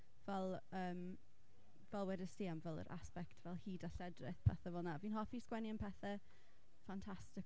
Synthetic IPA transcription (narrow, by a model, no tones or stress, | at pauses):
vɛlˠəːm | vɛlˠwɛdɪsiːamvɛlˠə̰ɾʔa̰spɛktʰvɛlˠhiːdaɬɛdrɪθpʰɛ̰θɛvɔːnaviːnɦɔfiskwɛnjənpʰɛθɛ | fantʰastɪk